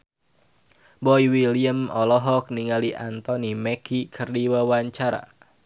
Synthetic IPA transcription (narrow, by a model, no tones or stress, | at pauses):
bɔiwiliəmɔlɔɦɔk̚niŋaliʔant̪ɔnimɛkʰikʰərdiwawaɲt͡ʃaɾa̰